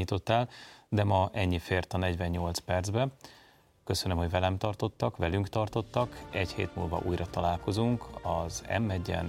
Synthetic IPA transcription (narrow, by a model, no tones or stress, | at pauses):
iːt̪o̞t̪ːaːld̪ɛmɒʔɛɲːifeːrt̪ɒnɛɟvɛɲːo̞lt̪spɛrdzbɛ | køsø̞nømho̞ɟvɛlɛmt̪ɒrt̪o̞t̪ːɒkʋɛlyŋkt̪ɒrt̪o̞t̪ːɒkɛchḛːt̪mṵːlvɒ̰ʔuːjɾɒt̪ɒlaːlko̞zuŋkɒzɛ̰mːɛɟːɛ̰n